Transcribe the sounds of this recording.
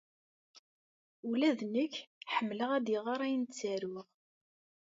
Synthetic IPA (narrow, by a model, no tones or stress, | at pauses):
ulæðnəkːħəmːləʁæd̪iʁaɾˤæjənt͡sːæɾʊʁ